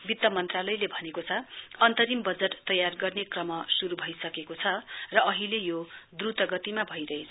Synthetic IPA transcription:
bit̪ːʌmʌnt̪ralʌjlebʱʌnekot͡sʰʌʌnt̪ʌɾimbʌd͡zeʈt̪ʌjarɡʌrnekrʌmʌsuɾubʱʌjsʌkekot͡sʰʌrʌʌɦilejod̪rut̪ʌɡʌt̪imabʱʌjɾʌɦet͡sʰ

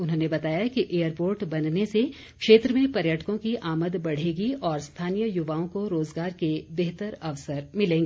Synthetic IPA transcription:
ʊnɦõːnebɐt̪aːjaɦkiʔeːjəɾpoːɾʈbɐnnese | kʃeːt̪ɾəmẽpɐɾjəʈkõkiʔaːməd̪bɐɽ̤eːɡiʔɔːɾst̪ʰaːnijəjʊʋaːõkoɾoːzɡaːɾkebeɦt̪əɾɐʋsəɾmɪlẽːŋɡeː

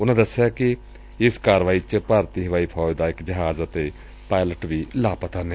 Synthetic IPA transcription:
ʊnãːd̪əsːejaːkɪ | ɪskaːɾʋaːiːt͡ʃpəɾt̪iːɦəʋaːiːpʰɔːd̪aːɪkd͡ʒəɦaːzət̪eː | paːɪləʈʋiːlaːpət̪aːne

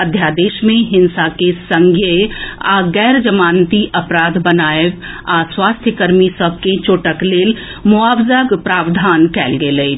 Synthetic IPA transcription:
əd̪ʱjad̪eːʃmẽɦɪnsakesə̃ŋɡʱjəa̰ɡɛːɾd͡ʒəmaːnt̪iʔəpɾaːd̪ʱbənaːeʋaswaːst̪ʰjəkəɾmisəb̚ʱket͡ʃoːʈəkleːlmoaːbzəɡpɾaːʋd̪ʱaːnkɛːlɡeləi

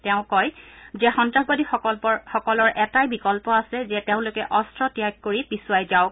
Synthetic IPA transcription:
tɛʊ̃kɔjzɛxɔntɹaɡbadixɔɔɔxɔkɔlɔɹʔɛtajbikɔlpɔasɛzɛteʊ̃lʊkɛʔɔstɹɔtijaɡ̚kːoɹipisuajzaʊ

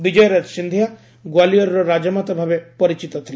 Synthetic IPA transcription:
bid͡ʒɐjɾɐt̪ʃind̪ʱja | ɡwalijɐɾɾɔɾad͡ʒɐmat̪ɐbʱaʋepɐɾit͡ʃit̪ɐt̪ʰl

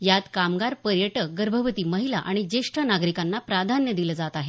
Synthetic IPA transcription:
jat̪kamɡaɾpəɾjəʈəkɡəɾbʱəʋət̪iːməɦilaʔaɽ̃id͡ʑeʂʈʰənaɡɾikanːapɾad̪ʱanjəd̪iləːd͡zat̪aɦe

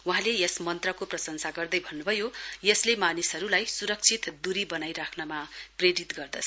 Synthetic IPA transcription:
uɦãlejʌsmʌnt̪rʌkoprʌsʌŋsaɡʌrd̪ʌjbʱʌnːubʱʌjojʌslemanisɦʌɾulajsuɾʌk̚t͡sʰit̪d̪uɾibʌnajɾakʰnʌmapreɾit̪ɡʌrd̪ʌsʰ

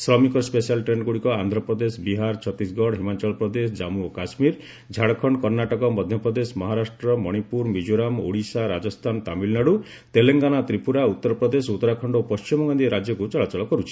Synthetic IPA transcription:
sɾɔmikɔspesialʈɾeɳɖɡuɽikɔand̪ʱɾɔpɾɔd̪esɔbiɦaɾt͡ʃʰɔt̪isɡɔɽɦimat͡ʃɔlpɾɔd̪es̬ɔd͡ʒamuokasmiɾ | d͡ʒʱaɽkʰɔɳɖɔkɔɾnaʈɔkɔmɔd̪ʱjɔpɾɔd̪esmɔɦaɾasʈɾɔmɔɽ̃ipuɾmid͡ʒoɾamo̰ɽisaɾad͡ʒɔst̪ʰant̪amilnaɽu | t̪eleŋɡanat̪ɾipuɾaut̪ːɔɾɔpɾɔd̪esut̪ːɔɾakʰɔɳɖopɔst͡ʃimɔŋɡɔnd̪ieɾad͡ʒjɔkut͡ʃɔɭat͡ʃɔlɔkɔɾut͡ʃʰi̥

